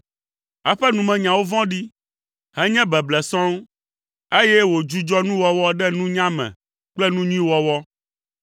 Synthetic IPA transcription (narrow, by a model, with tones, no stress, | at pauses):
a˨ɸɛ˦nũ˨mɛ̃˨ɲã˨wo˦vɔ̃˦ɖi˦ | hɛ˦ɲɛ̃˦bɛ˨blɛ˨sɔ̃˦ŋ | e˦jɛ˦wo˨d͡ʒu˦d͡ʒɔ˦nũ˦wɔ˦wɔ˦ɖɛ˦nũ˦ɲã˦mɛ̰̃˨ | k͡plɛ˦nũ˦ɲũ˦ĩ˦wɔ˦wɔ˦